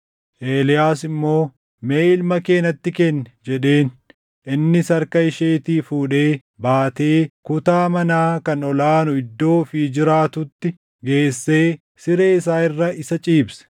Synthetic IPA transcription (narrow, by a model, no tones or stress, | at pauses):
ʔe̞ːlɪjaːsɪmːo̞ː | me̞ːɪlmɐke̞ːnɐt̪ːɪkɛnːɛd͡ʒɛɗe̞ːn | ʔɪnːɪsɐɾkɐɪʃeːt̪iːfuːᶑe̞ː | baːt̪e̞ːkʊt̪aːmɐnaːkɐnɔlaːnʊɪd̪ːo̞ːfiːd͡ʒɪɾaːt̪ʊt̪ːɪ | ɡe̞ːsːe̞ː | sɪɾeːɪs̬aːɪrːɐɪsɐt͡ʃʼiːbsɐ̥